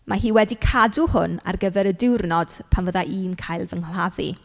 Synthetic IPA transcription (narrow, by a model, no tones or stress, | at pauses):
maɦiːwɛdikʰaduhʊ̰na̰rɡəvɛɾədɪwrnɔd̥pʰanvəðaʔiːnkʰajlˠvəŋl̥aðḭ